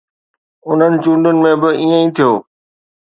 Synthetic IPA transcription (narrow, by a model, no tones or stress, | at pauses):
ʊn̤ənɪ̆t͡ɕũːɳɖʊnɪ̆mẽːbɪiːə̃ĩːt̪ʰijoː